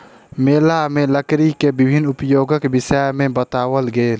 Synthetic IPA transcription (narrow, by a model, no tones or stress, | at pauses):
meːlamẽləkɾikebɪbʱɪnːʊpjoːɡəkbɪsəjmẽbət̪aːwəlɡeːl